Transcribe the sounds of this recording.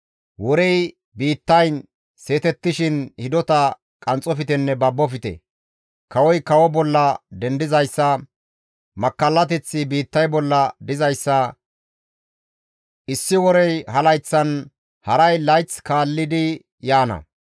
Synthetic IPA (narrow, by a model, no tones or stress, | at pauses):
wɔɾɛj | biːt̪ːɐj | se̞ːt̪ɛt̪ːɪʃɪnhɪd̪ɔt̪ɐ | kʼɐnt͡sʼɔfɪt̪ɛnːɛbɐbːɔfɪt̪ɛ̰ | kɐwɔjkɐwɔbɔlːɐd̪ɛnd̪ɪzɐjsːɐ | mɐkːɐlːɐt̪ɛt͡sːɪbiːt̪ːɐjbɔlːɐd̪ɪzɐjsːɐ | ʔɪsːɪwɔɾɛjhɐlɐjt͡sːɐn | hɐɾɐjlɐjt͡skaːlːɪd̪ɪ | jaːnɐ̰